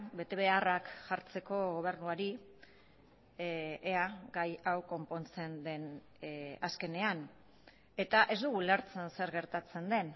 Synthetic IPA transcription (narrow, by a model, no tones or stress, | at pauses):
be̞t̪e̞βe̞arakʝaɾt͡se̞ko̞ɣo̞β̞e̞ɾnuaɾi | eaɡajawko̞mpo̞nt͡se̞nd̪e̞n | aske̞ne̞an | e̞t̪aʔe̞zd̪uɣuleɾt͡sense̞ɾɣe̞ɾt̪at͡se̞nd̪e̞n